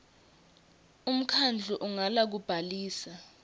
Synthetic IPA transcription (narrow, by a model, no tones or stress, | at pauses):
um̩kʰand͡ɮʱuʔuŋalak̬ub̥ʱaliːsa